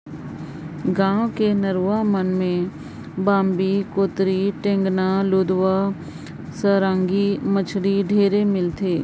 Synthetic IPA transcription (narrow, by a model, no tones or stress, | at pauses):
ɡãːwkenɐɾuamənmẽ | bãːmbikoːt̪ɾiʈẽŋɡnaloːd̪ʋa | səɾãːŋɡimət͡ʃʰɽiɖʱeːɾemɪlt̪ʰeː